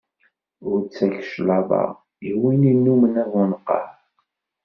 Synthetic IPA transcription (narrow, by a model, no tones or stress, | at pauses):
ʊɾt͡sːæçə̥ʃlɑðˤɑ̰ | iwininːumənævænəqːɑ̰ħ